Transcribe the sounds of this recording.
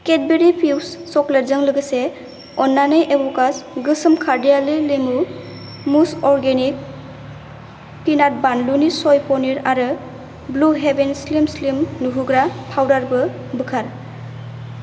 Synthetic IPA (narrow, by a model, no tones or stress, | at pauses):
ket̚beɾipʰiwsːɔkleɾzɯŋlɯɡɯse | ɔnːanɯjʔebɔkasɡɯsɯmkʰaɾdijalilimu | musɔɾɡenik̚ | pinat̚banlunisɔjpɔniɾaɾɯ | bluɦebenslimslimnuɦuɡɾapʰawdaɾbɯ | bɯkʰaɾ